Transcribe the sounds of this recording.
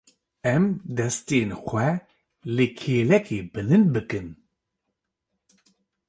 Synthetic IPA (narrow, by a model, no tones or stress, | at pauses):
ɛmd̪ɛst̪eːnxʷɛ | lekʰeːlɛkeːbɨlɨnbɨkɨn